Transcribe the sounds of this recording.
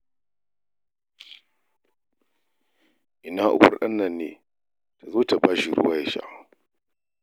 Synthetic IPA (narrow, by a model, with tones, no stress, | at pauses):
ʔɪ˨naː˦ʔʊ̰˨ɸʊ̰˦rɗɐ˦nːɐ˨nːeː˨ | ta˨zoː˦ta˨baː˦ʃi˨ɾʊ̰˦waː˦ja˨ʃa̰˦˨